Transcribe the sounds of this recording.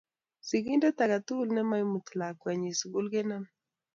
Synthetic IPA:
si˨ɡi˦ndɛ˦t̪a˨ɡa˨t̪u˦lnɛ˦ma˦jmu˨t̪la˨kwɛ˨ɲi˨su˨ɡu˦lɡe˦na˦m

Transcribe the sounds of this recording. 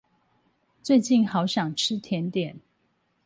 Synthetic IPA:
t͡swe˥˧ɪt͡ɕi˥˩nxɑ˧˦ʊɕjɑ˨˩ŋʈ͡ʂʰɻ̩˦˥t̪ʰjɛ˨˦nt̪jɛ˨˩˦n

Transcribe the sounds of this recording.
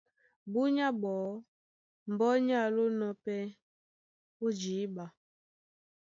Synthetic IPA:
bu˦ɲa˦bɔː˨˦ | m̩˨bɔ˦ɲa˦˨lo˦nɔ˦pɛ˦ | o˦d͡ʒiː˨˦ba˨

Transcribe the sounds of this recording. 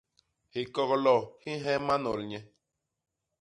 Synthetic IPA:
hi˨ko˦ɣo˧lo˦˨hĩ˦ɦẽ˦mã˦nõ̰˨ɾɲẽ˧

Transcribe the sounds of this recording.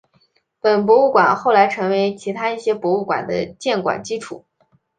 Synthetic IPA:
pə˨˩np̬wɔ˧˥u˥˩kwa̰˨˩nxo˥˩ʊla˧˥ɪʈ͡ʂʰɤ˧˥ŋwe˧˥ɪt͡ɕʰi˧˥t̪ʰa˥i˥˩ɕjɛ˥pwɔ˧˥u˥˩kwa̰˨˩nd̪ə̰˦t͡ɕjɛ˥˩nkwa̰˨˩nt͡ɕi˥ʈ͡ʂʰu˨˩˦

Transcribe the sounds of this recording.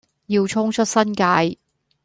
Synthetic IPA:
jiː˧wt͡ʃʰʊ˥ŋt͡ʃʰɵ˥t̚sɐ˥nkaː˧j

